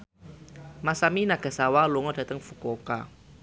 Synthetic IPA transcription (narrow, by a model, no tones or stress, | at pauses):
masaminaɡ̥a̤sawaluŋɔd̥a̤t̪əŋfukɔka